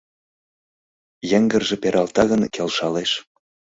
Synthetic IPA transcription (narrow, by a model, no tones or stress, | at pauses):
jĕŋɡə̆rʒĕpeɾʔɑlt̪ɑɣənkelʃɑleʃ